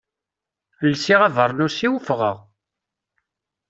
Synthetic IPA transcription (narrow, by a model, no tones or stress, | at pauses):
lːsiʁævəɾˤnusiwəfʁəʁ